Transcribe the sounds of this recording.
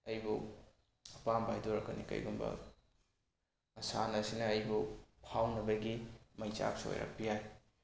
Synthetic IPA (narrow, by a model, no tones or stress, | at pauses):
ɐjbu | ɐpambʱajdoɾɐkːɐnḭkɐ̰jɡumbɐ̰ | ɐsanɐsinɐːjbupʰawnɐbɐɡimɐjt͡ʃa̰p̚so̰jɾa̰k̚pijaj